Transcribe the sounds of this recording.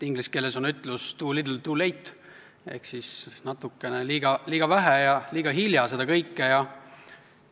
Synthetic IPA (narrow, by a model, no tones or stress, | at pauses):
t̪iŋɡliske̞lːesonyt̪lust̪uːlid̪ult̪uːlejt̪ːˑ | e̞̰hksisnɑt̪ːˑukːˑe̞neliːɡ̥ɑliːɡ̥ɑvæɦæjɑliːɡ̥ɑɦiljɑse̞d̪ɑkɤjkːejɑ